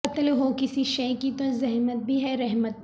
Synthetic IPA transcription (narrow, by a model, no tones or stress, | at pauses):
ɐt̪leɦokɪsiʃɐkit̪ozɛɦmət̪̚bʱiɦɛɾɛɦmət̪̚